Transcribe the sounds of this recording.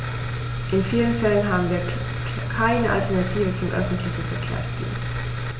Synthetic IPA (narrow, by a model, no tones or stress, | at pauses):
ʔenfiːlən̩fɛl̰ən̩ɦɑ̈ːbn̩ʋiɐ | kʰaɪnəʔalt͡sʰæɐnat͡sʰḭːʋət͡sʰomʔøfn̩d̥liçəfɛkʰḛɐ̰sd̥ḭːl